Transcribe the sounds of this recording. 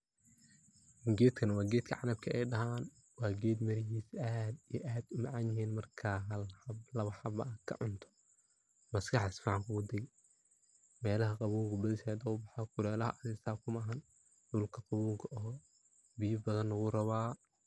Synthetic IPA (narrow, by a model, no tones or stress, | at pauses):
ɪŋɡɛːt̪kʰɐnɐwɑːɡɛːt̪kʰɐʕɑnɐb̚kʰɐɛjɖɐɦaːn | wɑːɡɛːd̪mɐɾɪɦiːsad̪ijʔaːd̪ʊmɑʕɑnjɪɦiːnmɐrkʰaːɦɐlblɐβɐħɑbɐɐkʰɐ̰ʕʊnt̪ʰɔ̥ | mɐskʰɑħɪsfiːʕɑŋkʰʊɣʊd̪ɛɣɛ | mɛːlɐɦɐqɑβuːɡʊbɐðɪʃɛːd̪ɐʊbɑħakʊɾɛːlɐɦɐ̰ʔɐɾɪst̪aːkʰʊmɐɦɐn | dʊlkʰɐqɑβuːɡɐɔː | bijɪbɐðɐnlɐɣʊrɐβaː